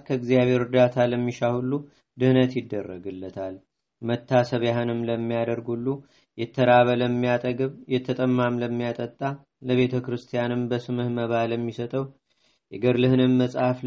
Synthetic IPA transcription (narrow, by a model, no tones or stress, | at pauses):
kʰəɨɡzijaβhe̞ɾɨd̪at̪ʰaləmːiʃahulːu | d̪ɨhnət̪jɪd̪ːərːəɡɨlːət̪ʰal | mət̪ʰːasəβjaɦɨnɨmləmːijad̪əɾɡhulːu | jɛt̪ʰːəɾaβələmːijat̪ʼəɡɨβjɛt̪ʰːət̪ʼəmːamləmːijat̪ʼət̪ʼːa | ləβe̞t̪ʰəkɾɨst̪ʰijanɨmbəsɨmɨhməβaləmːisət̪ʼəw | jɛɡəɾlɨhɨnɨmːəsʼafl